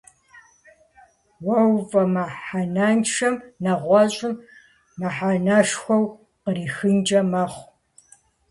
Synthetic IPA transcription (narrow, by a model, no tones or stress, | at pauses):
wɐwvɐmaħananʃɐmnaʁʷɔɕʼɪm | maħanaʂxʷɔw | qəriːxɨnd͡ʒʼɐmɐχʷ